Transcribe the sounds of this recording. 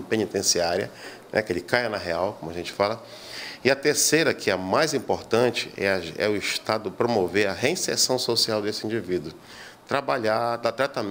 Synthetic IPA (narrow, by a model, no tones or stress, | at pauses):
pẽnit̪ẽsiaɾiɐ̰nɛ̰kelɪkajɐnɐɦeawkõmʊɐʒẽnt͡ʃɪ̥falɐ | ɪɐt̪eɾsejɾɐkʰɪɐmajzĩmpoɾt̪ɐ̃t͡ʃɪ̥ɛ̰ɐɛ̰ʊiʃt̪ad̪ʊpɾomoveɾɐɦeĩseɾsɐ̃w̃sosiawd̪esɪĩnd͡ʒivid̪ʊ | t̪ɾabaʎad̪at̪ɾat̪ɐm